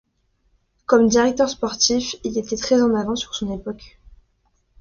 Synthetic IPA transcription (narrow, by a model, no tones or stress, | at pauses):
kɔmd̪iʁɛk̚t̪œʁspɔʁt̪ifilet̪ɛt̪χɛzɑ̃navɑ̃syʁsɔ̃nepɔk